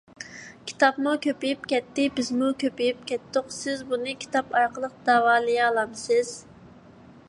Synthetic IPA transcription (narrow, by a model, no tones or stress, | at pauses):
kʲʰi̥t̪ʰɑpmukʲʰøpijipkʲɛt̪ːɪbɪzmukʲøpijip̚kʲɛt̪ːʊqsɪzbunɨkʲʰi̥t̪ɑpɑjqʰəlˠəq̚d̪̥ɑːwɑːlˠɨjɑlˠɑmsɪz̥